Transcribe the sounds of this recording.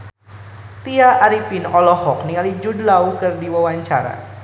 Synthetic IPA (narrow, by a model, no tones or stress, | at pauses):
t̪iaʔaɾipinɔlɔhɔk̚niŋalid͡ʒudlaukɨrdiwawaɲt͡ʃaɾa̰